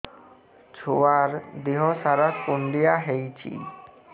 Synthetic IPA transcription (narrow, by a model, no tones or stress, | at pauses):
t͡ɕʰoaɾd̪eɦɔsaɾakonɖijaɦejt͡ɕʰḭ